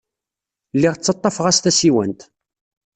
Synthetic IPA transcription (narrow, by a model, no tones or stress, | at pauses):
lːiʁt͡sːɑt̪ˤːɑfʁæst̪æsiwənt̪